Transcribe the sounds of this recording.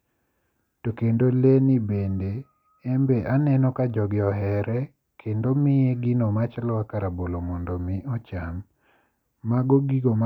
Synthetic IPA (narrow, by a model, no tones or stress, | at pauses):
tokendolenibendeː | mbeʔanɛnɔkad͡ʒɔɡɪɔɦɛɾɛ | kʰendomɪjeɡɪnomat͡ʃalwakaɾabolomɔndɔmɪɔt͡ʃamː | aɡoɡiɡom